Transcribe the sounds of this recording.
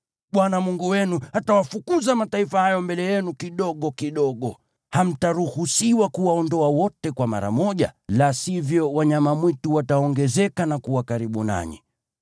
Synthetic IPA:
ɓwanamuŋɡuwɛnuatawafukuzamataifahajɔmbɛlɛjɛnukiɗɔɠɔkiɗɔɠɔ | ham̩taɾuhusiwakuwaɔndɔawɔtɛkwama̰ɾa̰mɔʄa̰lasivjɔwaɲamamwituwataɔŋɡɛzɛkanakuwakaɾiɓuna̰ɲḭ

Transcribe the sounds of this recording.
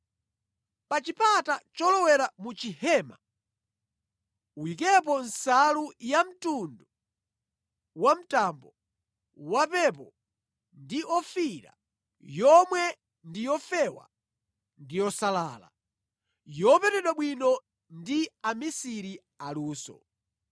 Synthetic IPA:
pat͡ʃipatat͡ʃɔlɔwɛɾamut͡ʃihɛːma | uwikɛp̬ɔnsalujam̩tundu | wam̩tambɔ | wapɛpɔ | ndiʔɔfiɾa̰ | jɔmwɛ | ndijɔfɛwa̰ | ndijɔsalaːla̰ | jɔpɛtɛɗwaɓwinɔ | ndiamisiɾi | aluːsɔ̰

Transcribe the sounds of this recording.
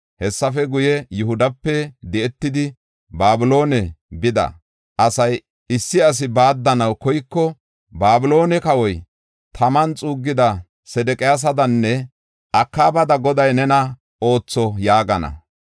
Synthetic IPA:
hɛsːɐfɛɡʊjɛjʊhʊd̪ɐpːɛd̪ɛɛt̪ːɪd̪ɪ | baːbɪlo̞ːnɛbɪd̪ɐ̰ | ʔɐsɐj | ɪsːɪɐs̬ɪbaːd̪ːɐnɐwkɔjkːɔ | baːbɪlo̞ːnɛkɐwɔj | t̪ʰɐmɐnt͡sʼuːɡːɪd̪ɐ | sɛd̪ɛkʼɪjaːs̬ɐd̪ɐnːɛ | ʔɐkːaːbɐd̪ɐɡɔd̪ɐjnɛnɐ | o̞ːt͡sːɔjaːɡɐnɐ̰

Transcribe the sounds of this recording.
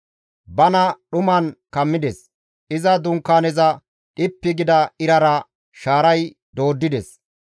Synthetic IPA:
bɐnɐɗʊmɐnkɐmːɪd̪ɛs | ʔɪzɐd̪ʊŋkːaːnɛzɐ | ᶑɪpːɪɡɪd̪ɐɪɾɐɾɐ | ʃaːɾɐj | d̪o̞ːd̪ːɪd̪ɛs

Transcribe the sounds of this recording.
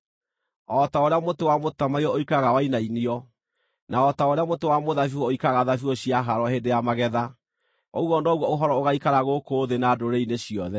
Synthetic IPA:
ɔtaoɾeamotowamotamaiɔoikaɣawainainiɔ | naɔtaoɾeamotowamoðafiwɔoikaɣaðafiɔɕiaɦaɾɔhendejamaɣɛða | ɔwɔnɔɣwɔoɦɔɾɔoɣaikaɾaɣokoːðenadoɾeineɕiɔðɛ

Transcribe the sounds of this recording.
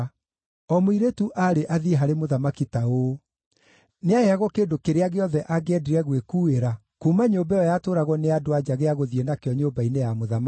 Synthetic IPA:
ɔmoiɾetuʔaɾeʔaðieɦaɾemoðamakitao | neajeaɣɔkedokeɾeaɣeɔðɛʔaɡɛdiɾɛɣwekueɾa | kumaɲobaɔjatoːɾaɣɔneadoad͡ʑaɣeaɣoðienakeɔɲobainejamoðama

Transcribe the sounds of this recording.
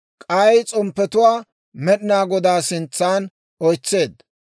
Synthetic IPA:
kʼɐjt͡sʼɔmpːɛt̪ʊwaː | mɛɗɪnaːɡɔd̪aːsɪnt͡sːaːn | ɔjt͡sːe̞ːd̪

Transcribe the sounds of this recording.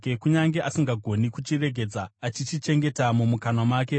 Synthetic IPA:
kuɲaŋɡe̞ʔasiŋɡaɡʱo̞nikut͡ʃire̞ɡʱe̞d͡zaːt͡ʃit͡ʃit͡ʃe̞ŋɡe̞tamumukanomwaːke̞

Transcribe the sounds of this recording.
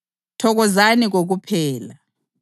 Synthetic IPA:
tʰɔɣɔzaniɣ̬oɣ̬upʰɛːla

